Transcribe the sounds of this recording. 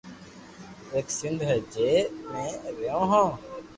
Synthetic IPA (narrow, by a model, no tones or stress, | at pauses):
eːksɪnd̪ʱɦəd͡ʒeːmẽːəɡjõːɦãː